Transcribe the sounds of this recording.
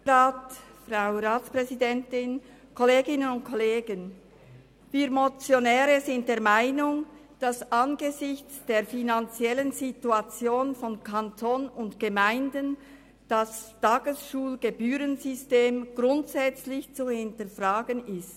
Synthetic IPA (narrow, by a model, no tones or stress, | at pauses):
aːtfʁaʊɾaːtspʁ̥ɛzidɛntɪn | kʰoleːɡɪnənʊntkʰoleːɡən | viːɾmot͡sjonɛːɾəzɪnt̚d̥eːɐmaɪnʊŋ | d̥asʔanɡəzɪçt͡sd̥eːɐfinant͡sjɛlənzituat͡sjoːnfɔnkʰantʰoːnʊntɡ̥əmaɪndən | d̥astaːɡ̥əsʃuːlɡ̥ebyːɾənzʏsteːmɡ̥ʁʊntsɛt͡slɪçt͡suhɪntəfʁaːɡənɪst